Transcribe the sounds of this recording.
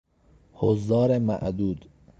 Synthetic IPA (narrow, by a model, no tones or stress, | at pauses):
hozd̪ɒːɾemæ̰ʔd̪uːd̪